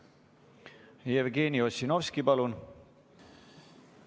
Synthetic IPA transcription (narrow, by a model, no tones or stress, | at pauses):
jevɡe̞ːnio̞sino̞vskipɑlun